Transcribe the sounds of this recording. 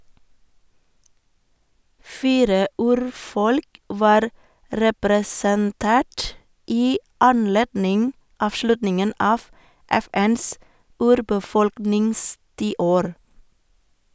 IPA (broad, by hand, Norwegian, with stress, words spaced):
ˈfiːɾə ˈʉːɾˌfɔlk ˈʋɑːɾ ɾɛpɾɛsənˈteːʈ ˈiː ɑnˈleːdnɪŋ ˌɑːfˈʃlʉtnɪŋən ˈɑːʋ ˈɛˌfɛns ˈʉːɾbəˌfɔlknɪŋstiːˌoːɾ